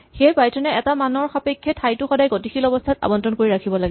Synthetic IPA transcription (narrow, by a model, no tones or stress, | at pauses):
xejpajtʰɔnɛɛtamanɔɹxapekʰːjɛtʰajtʊxɔdajɡotixilɔbɔstʰata̰bɔntɹɔnkoɹiɹakʰibɔlaɡɛ